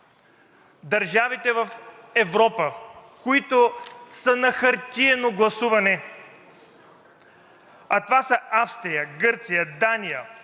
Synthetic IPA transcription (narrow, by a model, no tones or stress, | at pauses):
d̪ɐɾʒavit̪ɛvɐfɛvɾɔpəkoit̪osənɐxɐɾt̪ʲiɛnoɡlˠɐsuvɐnɛ | ɐt̪ovasəafst̪ɾijəɡɤɾt̪sijəd̪anijə